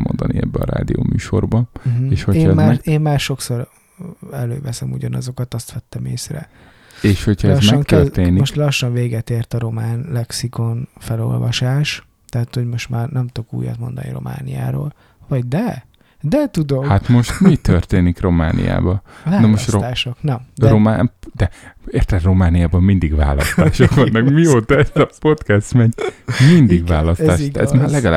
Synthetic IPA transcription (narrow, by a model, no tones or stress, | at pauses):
mo̰nd̪ɒniɛ̰bːɛɒɾa̰ːd̪io̰ːmyːʃo̞̰rbɒeːʃhoeːɛmaːɛeːmmaːrʃo̞kso̞r | ɛløːvɛsɛmuɟɒnɒzo̞kɒt̪ɒst̪ʋɛt̪ːɛmeːsrɛ̰ | eːʃho̞chɒɛzmɛŋtk̪ɛreːnimoʃt̪lɒʃːɒɱveːɡɛt̪eːrt̪ɒɾo̞maːnlɛksiko̞nfɛlo̞̰lvɒʃaːʃ | t̪ɛɦat̪ho̞ɟmo̞ʃt̪maːrnɛmt̪okṵːjɒ̰t̪mo̞̰nd̪ɒ̰nḭɾo̞̰mʔa̰ːnija̰ːɾo̰ːl | vɒɟd̪ɛ | d̪ɛt̪ud̪ohat̪mo̞ʃt̪mit̪ørt̪eːnikro̞ma̰ːnḭja̰ːbɒnɒmoʃt̪oːʃoknɛromaːd̪̥ɛeːrt̪ɛd̪ro̞maːnijaːbɒmmind̪iɡva̰ːlɒ̰st̪aːʃokʋɒnːɒkmioːt̪ɒɛzɒpo̞t̪kɛst̪mɛɲmind̪iɡvaːlɒsaːʃɛ̰zmalɛɡɒla